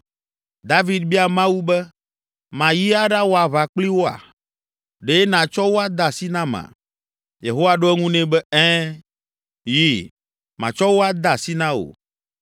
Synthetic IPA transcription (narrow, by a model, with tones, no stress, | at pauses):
d̪a˦vi˦d̪̚bi˦a˨mã˦wu˦bɛ˦ | mã˨ji˦a˦ɖa˦wo˦a˨βa˨k͡pli˦wo˦a̰˨ | ɖe˦nã˨t͡ʃɔ˦wo˦a˦d̪a˨si˦nã˦mã̰˨ | jḛ˨ɦo˦wa˨ɖo˦ɛ˦ŋũ˦nɛ̃˦bɛ˦ɛ˦ | ji˦ | mã̰˨t͡ʃɔ˦wo˦a˦d̪a˨si˦nã˦o̰˨